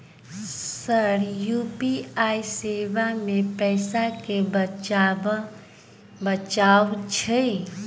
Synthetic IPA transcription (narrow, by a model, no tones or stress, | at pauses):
səɾjupiaiseːʋamẽpɛɪsake | bət͡ʃawt͡ʃʰə